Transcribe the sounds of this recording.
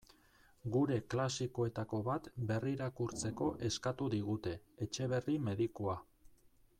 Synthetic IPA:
ɡuɾe̞klasiko̞e̞t̪ako̞βat̪be̞riɾakuɾt͡se̞ko̞ʔe̞skat̪uðiɣ̞ut̪e̞et͡ʃe̞β̞e̞rime̞ðikoa

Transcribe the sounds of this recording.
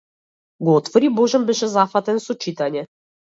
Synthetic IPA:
ɡɔɔt̪fɔɾibɔʒɛmbɛʃɛzafat̪ɛnsɔt͡ʃit̪aɲɛ

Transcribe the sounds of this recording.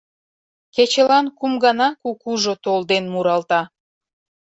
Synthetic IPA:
ket͡ɕəlɑnkumɡɑnɑkukuʒot̪old̪enmuɾɑlt̪ɑ

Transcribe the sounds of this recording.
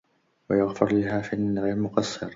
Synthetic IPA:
wajaɣfʊɾˤlɪhaːfiːʔanːaɣɪlmʊqɑsˤːɨɾ

